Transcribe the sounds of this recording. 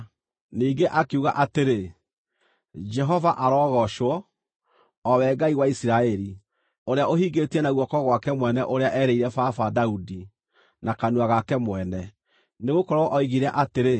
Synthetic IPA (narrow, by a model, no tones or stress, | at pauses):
niːɡeʔakeuɣa̰ʔateɾe | d͡ʒɛɦɔvaʔaɾɔɣɔʃwɔ | wɛːɡaiɣwaisiɾaɛɾi | oɾeaʔoɦiːɡetiɛnaɣwɔkɔɣwakɛmwɛnɛʔoɾeaʔɛɾeiɾɛfafadaudi | nakanwaɣakɛmwɛnɛ | neɣokɔɾɔɔʔɔiɣiɾɛʔateɾe